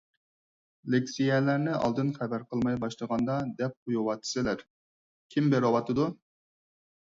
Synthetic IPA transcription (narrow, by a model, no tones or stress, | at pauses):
lekʲsijɛlæɾnɪɑ̰lˠd̪ɨnχæbæɾqʰəlˠmɑjbɑʃlˠəʁɑnd̪ɑd̪ɛp̚qʰujuwɑt̪ʰːɨ̥sɪlæɾ | kʲʰimbeɾɑwɑt̪ɨd̪u